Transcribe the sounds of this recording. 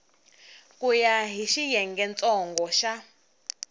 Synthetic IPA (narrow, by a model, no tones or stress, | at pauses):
kujaɦiʃijɛŋɡɛnt͡sʼɔŋɡɔʃa